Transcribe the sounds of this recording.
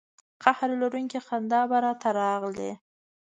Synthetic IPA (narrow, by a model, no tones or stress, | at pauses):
qahɾlaɾuŋkixand̪ɑbaɾɑt̪ʰaɾɑɣlḛ